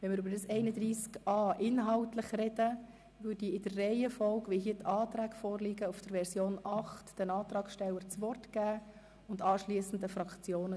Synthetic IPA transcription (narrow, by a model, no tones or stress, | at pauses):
ʋɛnmɪɾybɾdɑsɛɪnəd̪ɾiːskɑːʔɪnɦɑwtləχrɛd̥ə | ʋʏdiɪd̥ərːɛɪəfɔlkʋɪlɦiətʰɑːt̪ɾæːkfɔːrlɪɡəufd̥əɾʋɛɾsjoːnɑχtd̥ənɑːt̪ɾɑːksʃtɛlːəɾt͡sʋɔrtɡ̥æː | ʊndɑːʃliəsn̩d̪əfrɑkt͡sjoːnə